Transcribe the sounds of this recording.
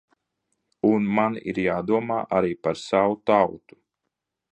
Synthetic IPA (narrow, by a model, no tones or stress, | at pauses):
unmanḭɾjaːd̪uɔmaːʔaɾiːpaɾsawut̪awt̪u̥